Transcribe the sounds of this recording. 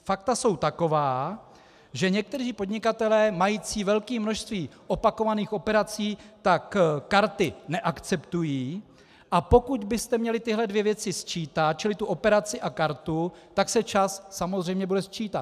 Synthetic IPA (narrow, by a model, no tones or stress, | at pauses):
fak̚t̪aso̞wt̪ako̞vaː | ʒɛɲɛk̚t̪ɛriːpod̪ɲɪkat̪ɛlɛːmajiːt͡siːvɛlkiːmnoʃst̪viːʔo̞pako̞vaniːxʔo̞pɛɾat͡siːt̪akkaɾt̪ɪnɛʔakt͡sɛpt̪ujiː | ʔapo̞kud̪bɪst̪ɛmɲɛlɪt̪ɪɦlɛdvjɛvjɛt͡sɪst͡ʃiːt̪at̪̚t͡ʃɪlɪt̪uʔo̞pɛɾat͡sɪʔakaɾt̪ut̪aksɛt͡ʃasːamozr̝ɛjmɲɛbudɛst͡ʃiːt̪at̪̚